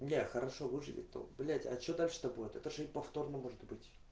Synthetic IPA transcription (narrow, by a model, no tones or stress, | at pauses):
nʲexəɾɐʂovɨʐɨvʲɪ̰o̰blʲatʲa̰t͡ɕod̪alʲʂɨ̥t̪ɐbuɪt̪ɛt̪əʐɨɪpɐft̪o̞rnəmoʐɨt̪bɨtʲ